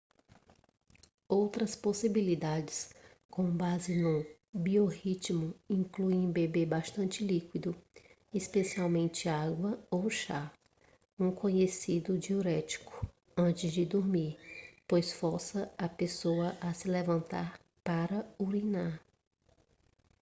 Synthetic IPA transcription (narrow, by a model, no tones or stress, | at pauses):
owt̪ɾɐsposibilid̪ad͡ʒɪs | kõbazɪnʊ | biohit͡ʃmʊĩŋkluẽj̃bebebaʃt̪ɐ̃nt͡ʃɪlikwid̪ʊ | ispesiawmẽnt͡ʃɪaɡwɐowʃa | ũkõɲesid̪ʊd͡ʒioɾɛt͡ʃi̥kʊ̥ | ɐ̃nt͡ʃɪzd͡ʒɪd̪oɾmiɾpojsfɔɾsɐɐpesoɐʔɐsɪlevɐ̃nt̪aɾ | paɾɐuɾinaɾ